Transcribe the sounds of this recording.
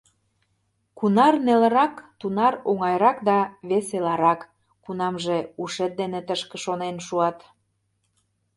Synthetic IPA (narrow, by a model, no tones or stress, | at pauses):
kunɑrnelə̆ɾɑkt̪unɑɾoŋɑjɾɑkd̪ɑβeselɑɾɑkː | unɑmʒeuʃet̪̚d̪enet̪əʃkə̆ʃonenʃuɑt̪